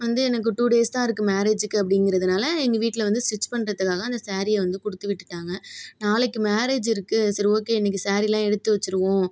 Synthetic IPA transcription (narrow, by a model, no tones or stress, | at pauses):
ʋɐnd̪ɯɛnɐk̬ːɯʈuːɽeːst̪ãːɪɾɯkːɯmaːɾeːd͡ʒɯkːɯɐp̬ːɐɽɪŋɡɪɾɐðɯnaːlɐɛŋɡɐʋiːʈːɪlɐʋɐnd̪ɯsʋɪt͡ʃːpɐɳɾɐðɯkːaːɣɐːnd̪ɐsaːɾɪjɐʋɐnd̪ɯkʊɽɯt̪ːɯʋɪʈːɯ̥ʈːaːŋɡɐnaːlɛkːɯmaːɾeːd͡ʒɪɾɯkːɯsɐɾoːkːeːɛnːɛk̬ːɯsaːɾɪlãːɛɽɯt̪ːɯʋɐt͡ʃːɯɾɯkːʊ̃ː